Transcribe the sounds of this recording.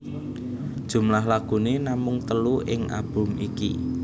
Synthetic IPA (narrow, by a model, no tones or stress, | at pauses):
d̥ʒ̥ṳmlaɦlaɡ̥ṳnenamʊŋt̪əluʔɪŋʔa̰b̥ʊ̤mʔikḭ